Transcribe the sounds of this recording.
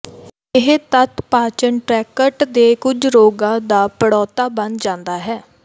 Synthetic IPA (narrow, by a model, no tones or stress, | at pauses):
ɪɦt̪ət̪paːt͡ʃəɳʈɾɛːkəʈd̪eːkʊd͡ʒɾoːɡãːd̪aːpəɽɔːt̪aːbənd͡ʒãːnd̪aːɦɛː